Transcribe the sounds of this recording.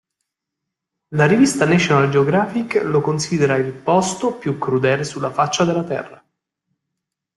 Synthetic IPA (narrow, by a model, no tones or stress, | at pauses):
laɾivist̪anɛt͡ʃjonald͡ʒeoɡɾaːfikːlokonsid̪eɾailpɔst̪opjukːɾud̪ɛːlesulːafat͡ʃːad̪elːat̪ɛ̰rːa